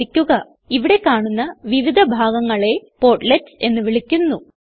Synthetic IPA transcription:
ikʲːuɣɐ | iʋiɽe̞kaːɳunːɐʋiʋid̪ʱɐbʱaːɡɐŋːɐɭe̞po̞ːrʈletːe̞nːɨʋiɭikʲːunːu

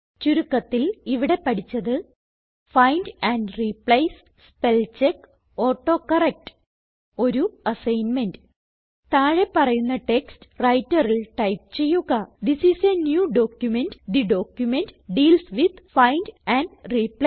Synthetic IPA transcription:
t͡ɕuɾukːɐt̪ːiliʋiɽe̞pɐʈit͡ɕːɐðɨ | fɐjnɖæɳɖriplɐjs | spelt͡ɕek | oːʈːoːkɐrek̚ʈ | o̞ɾuɐsɐjnmenɖ | t̪aːɻe̞pːɐrɐjunːɐʈekstrɐjtːɐrilʈɐjp̚t͡ɕe̞jːuɣɐd̪isisenjuːɖo̞ːkjumenɖd̪iɖoːkjumenɖɖiːlsʋid̪fɐjnɖæɳɖriplɐ

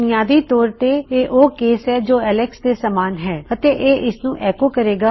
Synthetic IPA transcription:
nɪjaːd̪iːt̪ɔːɾt̪eːeːʔoːkeːsɦɛːd͡ʒoːɛːleksd̪eːsəmaːnɦɛːət̪eːʔeːʔɪsnũːʔɛːkoːkəɾeːɡaː

